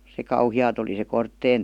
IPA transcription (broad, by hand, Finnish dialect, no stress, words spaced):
se kɑuhiɑːt oli se kortːeːn